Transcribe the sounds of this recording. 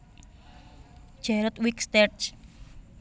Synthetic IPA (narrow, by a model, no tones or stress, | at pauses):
ʒ̥ɛɾət̪wikst̪ɛt͡ʃ